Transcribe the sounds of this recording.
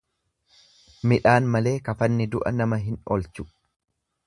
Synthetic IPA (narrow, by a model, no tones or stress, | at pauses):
mɪᶑaːnmɐle̞ːkɐfɐnːɪd̪ʊʔɐ̰nɐmɐɦɪnɔlt͡ʃʊ̥